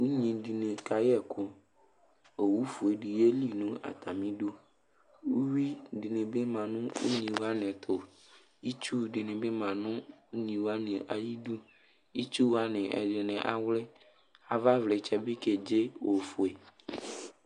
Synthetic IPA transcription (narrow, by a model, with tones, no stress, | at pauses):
wu˦ɲĩ˨ɖi˨nẽ˨ka˨jɛ˦˨kʰo˨ | e˨wu˦fu˨e˨ɖi˨je˦li˦nũ˦a̰˨t̪ʰa˨mĩ˦ɖu˦ | wu˦wi˦ɖi˨nẽ˨be˦mã˨nũ˦ṵ˦ɲĩ˨wa˦nɛ̃˨t̪ʰo˨ | i˦t͡ʃu˦˨ɖi˨nẽ˨be˦mã˨nũ˦u˦ɲĩ˨wa˦nẽ˨ʔa̰˨ji˦ɖu˦ | i˦t͡ʃu˦wa˦nẽ˨ʔɛ̰˨ɖe˨nɛ̃˨ʔa̰˨wlɛ˦ | a˨va˦vle˨t͡ʃɛ˦be˦ke˨d͡ʒe˦wo˨fu˨e˨